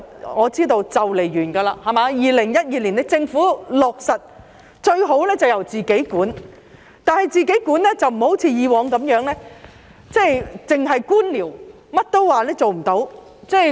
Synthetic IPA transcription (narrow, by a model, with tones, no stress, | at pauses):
ŋɔː˨˧t͡siː˥t̪o˧wt͡sɐ˨wle˨˩jjyː˨˩nɡaː˧laː˧hɐ˨maː˧jiː˨lɪ˨˩ŋjɐ˥t̚jiː˨˧li˨˩nt̪ɪ˧˥k̚t͡sɪ˧ŋfuː˨˥lɔː˨˩k̚sɐ˨t̚ | t͡ʃɵ˧ɥɦo˨˥wlɛː˥t͡sɐ˨˩wjɐ˨˩wt͡siː˨ke˨˥jkuː˨˥n | t̪aː˨˧nhɐ˨jt͡siː˨ke˨˥jkuː˨˥nlɛː˥t͡sɐ˨wm̩˨˩ho˨˥wt͡sʰiː˨˧jiː˨˧wɔː˨˧ŋkɐ˨˥mjœː˨˥ŋlɛː˥ | t͡sɛː˥˩jt͡sɪ˨ŋɦɐ˨jkuː˥nliː˨˩w | mɐ˥t̚t̪o˥wwaː˨˧lɛː˥t͡so˨wm̩˨˩t̪o˨˥w | t͡sɛː˥˩